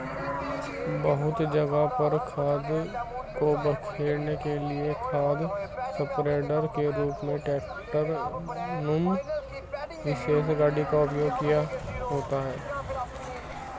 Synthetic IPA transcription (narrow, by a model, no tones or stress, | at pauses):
bəɦʊt̪d͡ʒɐɡapəɾkʰaːd̪kobəkʰeːnekeliekʰaːd̪sɐpɾeːɖəɾkeɾuːpmẽʈeːkʈəɾnʊm | ʋɪʃeːsɡaːɖikaʊpjoːɡkijaɦoːt̪aɦɛː